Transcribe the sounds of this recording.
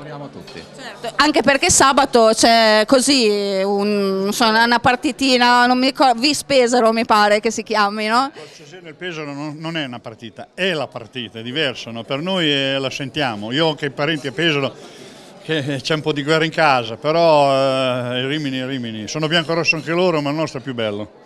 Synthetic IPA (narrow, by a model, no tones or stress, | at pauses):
oɾjamot̪ːṵt̪ːḭt͡ʃɛrt̪oʔaŋkeperkesaːbat̪ot͡ʃɛkoziunsonaunapart̪it̪iːnanomːiɾikɔd̪vispeːzaɾomipaːɾek̟esik̟jaːminɔsezjoːneilpɛːzaɾonnonɛunapart̪iːt̪aɛlapa̰rt̪iːt̪aɛd̪ivɛrsanɔpernojɛlasent̪jaːmoiːoaŋkeipaɾɛnt̪iapɛːzaɾo | ket͡ʃɛumpɔd̪iɡwɛraiŋkaːzapeɾɔ | iriminiɾiːminisoːnobjaŋkoɾɔsːoaŋkeloːɾomalnɔst̪ɾɛpjubɛlːo